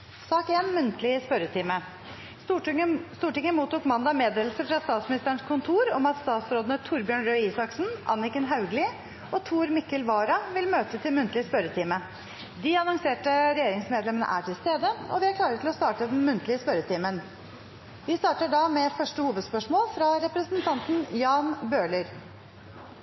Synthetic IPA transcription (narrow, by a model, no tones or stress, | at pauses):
sɑːkeːnmʉnt̪ʰlɪəspœɾət̪ʰɪːmə | st̪uːʈɪŋəmuːt̪uːkmɑnd̪ɑmeːd̪eːlsəfɾɑst̪ɑːt̪smɪnɪst̪əəɳkʰʊnt̪ʰuːɾɔmɑt̪st̪ɑːt̪sɾoːd̪ənət̪ʰʊɾbjøːɳɾøiːsɑksnʔɑ̰nːɪkənɦɑʉɡlɪ | ʔɔt̪ʰuːɾmɪkːəlʋɑːɾɑʋɪlmøːt̪ət̪ʰɪlmʉnt̪ʰlɪəspœɾət̪ʰiːmə | d̪ɪɑnɔŋseːʈəɾɛjeːɾɪŋsmeːd̪lɛmənə̰ʔæ̰ːʈʰɪlst̪eːd̪əɔ̰ʋɪækʰlɑːɾəʈ̪ʰɪlɔst̪ɑːʈəd̪ɛnmʉnt̪ʰlɪəspœɾət̪ʰiːmən | ʋ̪ɪst̪ɑːʈəɖɑmɛfœʂʈəhuːʋəd̪spœʂmoːlfɾɑɾɛpɾəsənt̪ʰɑnt̪n̩jɑːnbøːɭəɾ